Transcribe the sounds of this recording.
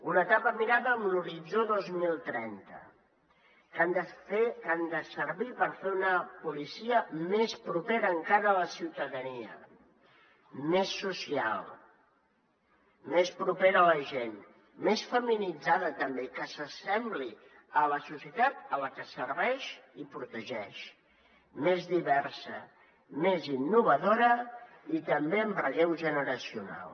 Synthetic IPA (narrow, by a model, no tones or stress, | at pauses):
unət̪apəmiɾaðəːmluɾid͡zoðozmilˠt̪ɾɛ̰nt̪ə̰ | kand̪əfekand̪əsəɾβipəɾfeunəpulisiəmespɾupeɾəːŋkaɾəːləsiwt̪əðəniə̰ | mesːusia̰lˠ | mespɾupeɾələʒen | mesfəminid͡zaðət̪əmbekəsəsɛmbli | ələsusjət̪at̪̚ələkəsərβɛʃipɾut̪əʒɛʃ | mezðiβɛɾsə̰ | mezinːuβ̞əðoɾə | it̪əmbeəmbrəɣɛwʒənəɾəsiuna̰lˠ